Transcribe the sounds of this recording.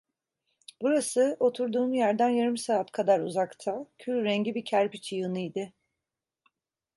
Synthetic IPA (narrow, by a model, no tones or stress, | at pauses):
b̥uɾasɯo̞t̪ʰuɾd̪uːmjæɾd̪ænjaɾɯmsaːt̪kʰad̪aɾuzakt̪ʰacʰylʲɾɛɲɟibicʰæɾpit͡ʃʰijɯnɯjd̪ɪ